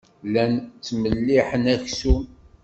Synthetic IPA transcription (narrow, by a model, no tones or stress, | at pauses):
lænt͡sːməlːiħənæçsu